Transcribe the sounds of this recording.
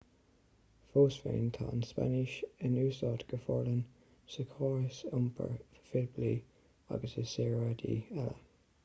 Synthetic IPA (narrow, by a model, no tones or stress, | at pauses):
foːsfḛːnt̪ʰaːnspa̰nɪʃɪnʉːsɑt̪ɡ̥əfɔːɹlən | səkʰɔːɹəsʊmpʰə̰ɹfɪlbliː | a̰ɡəsəsɛːɹad̪ḭːɛlə̰